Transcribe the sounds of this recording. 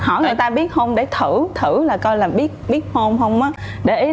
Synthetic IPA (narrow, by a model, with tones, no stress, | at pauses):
hɔ˧˩jŋɨ˨˩əjt̪aː˧ɓi˦˥ət̚ho˧wŋ͡mɗe˧˩t̪ʰɨ˧˩t̪ʰɨ˧˩laː˨˩kɔ˧jlaː˨˩mɓi˦˥ət̚ɓi˦˥ət̚ho˧mɦə˧wŋ͡mʔaː˨˦ | ɗe˧˩ʔi˨˦